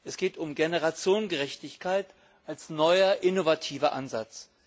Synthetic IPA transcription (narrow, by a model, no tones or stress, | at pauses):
ʔɛsɡ̥eːtʊmɡenəʁat͡sjoːnɡəʁɛçtɪçkʰaɪt | ʔalsnɔʏɐʔɪnovatʰiːvɐʔa̰nzat͡s